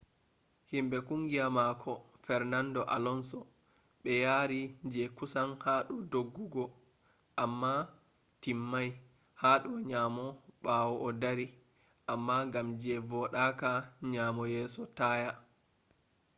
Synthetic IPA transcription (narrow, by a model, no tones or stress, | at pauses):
himbɛkuŋɡijamaːkʰɔfɛɾnandɔʔa̰lɔnsɔ | ɓɛjaɾid͡ʒɛkusanhaɗɔdoɡːuɡɔ | ʔamːa | timːaj | haːɗɔɲaːmɔɓawɔʔːdaɾi | ʔamːaŋɡamd͡ʒɛvɔɗakaɲaːmɔjɛːsɔtaːja